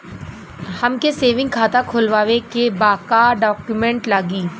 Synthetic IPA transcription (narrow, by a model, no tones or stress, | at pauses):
hɐmkeseːʋɪ̃ŋɡkʰaːt̪akʰoːlʋaːʋekebaːkaɖɔːkjumɛ̃ɳʈlaːɡiː